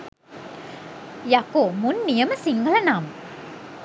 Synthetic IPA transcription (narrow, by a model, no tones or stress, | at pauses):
jakomunːijəməsiŋɡələnam